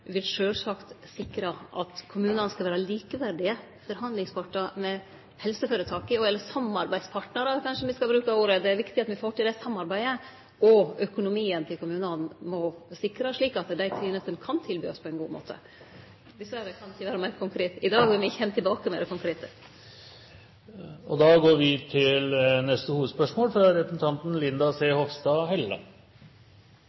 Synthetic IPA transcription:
ʋɪlʂøːlsɑkt̪sɪkɾɑʔɑ̰t̪kʰʊmʉːnənskɑlʋæːɾəliːkəʋæɖɪə | fɔɾhɑnd̪lɪŋspʰɑʈːəmɛ | hɛlsəføːɾət̪ʰɑːkɪɔɛlːəsɑmɑɾbæɪd̪spʰɑʈnəɾəkʰɑnʂəɔmʋɪskɑlbɾʉːkɑuːɾəd̪ɛæɾʋɪkt̪ɪɑt̪mʋɪfoːʈɪld̪æsɑmːɑɾbæɪə | ɔœkʊnʊmiːənt̪ʰɪlkʰʊmʉːnənmɔsɪkɾəʂɭiːkɑt̪d̪æɪt̪ʰɾiːnəst̪ənkʰɑnt̪ʰɪlbyːɔspʰɔɛɪnɡṵːmo̰ːt̪ʰə̰ | bɪsøɾəkʰɑnɪçəʋæːɾəmæːɾkʊŋkʰɾeːt̪ɪd̪ɑːɡbɪɾʋɪɪçəhɛmt̪ʰɪlbɑːkəmɛ̰d̪ɛkʊŋkʰɾeːt̪ə | ɔd̪ɑːɡoːɾʋɪt̪ʰɪlnɛst̪əhuːʋəd̪spœʂmoːlfɾɑɾɛpɾsn̩t̪ʰɑnt̪n̩lɪnd̪ɑseːhɔfsd̪ɑːhɛlːə̰

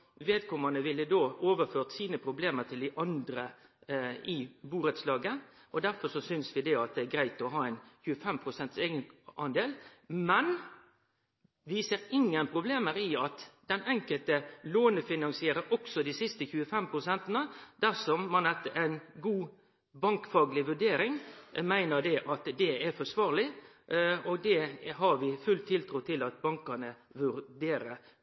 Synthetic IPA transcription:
ʋeːd̪kʰɔmənəʋɪlːəd̪oːoːʋəføːʁt̪siːnəpʰɾʊbleːməʁt̪ʰɪld̪ɪʔɑnd̪ɾə | ɪbuːɾət̪slɑːɡəʔɔd̪æɾfɔʂɔsʏnsʋɪd̪ɛɑt̪̚d̪ɛæɡɾæɪt̪ɔɦɑːɛɪnçʉːəfɛmpʰʁʊsɛnt̪seːɡənʔɑnd̪eːlmɛn | ʋiːsəɾɪŋːənpʰɾʊbleːməɾɪɑt̪d̪̥ɛnɛŋkəlt̪əloːnəfɪnɑnsɪeːɾəɾʔɔksɔd̪iːsɪst̪əçʉːəfɛmpʰɾʊsɛnt̪ənəd̪̥æsɔmːɑnɛt̪ːəæɪnɡuː | bɑŋkfɑːɡlɪʋʉɖeːɾɪŋmæɪnəɾd̪ɛʔɑt̪d̪ɛɛɾfɔʂʋɑːʁlɪ | ɔɡ̚d̪ɛɦɑɾʋɪfʉlt̪ʰːɪlt̪ʰɾuːt̪ʰɪlɑt̪̚bɑŋkənəʋʉɾd̪eːɾəɾ

